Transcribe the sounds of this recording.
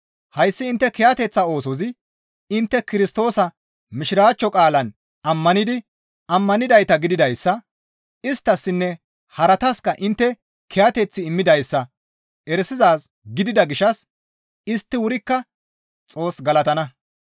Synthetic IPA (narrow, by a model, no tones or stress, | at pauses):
hɐjsːɪːnt̪ːɛkɛjat̪ɛt͡sːɐo̞ːsɔzɪ | ɪnt̪ːɛkɪɾɪst̪o̞ːsɐ | mɪʃɪɾaːt͡ʃːɔkʼaːlɐn | ɐmːɐnɪd̪ɪ | ɐmːɐnɪd̪ɐjt̪ɐɡɪd̪ɪd̪ɐjsːɐ | ɪst̪ːɐsːɪnːɛ | hɐɾɐt̪ɐskɐʔɪnt̪ːɛ | kʰɛjat̪ɛt͡sːɪːmːɪd̪ɐjsːɐ | ɛɾsɪzaːs | ɡɪd̪ɪd̪ɐɡɪʃɐs | ɪst̪ːɪwʊɾɪkːɐ | t͡sʼo̞ːsɡɐlɐt̪ɐnɐ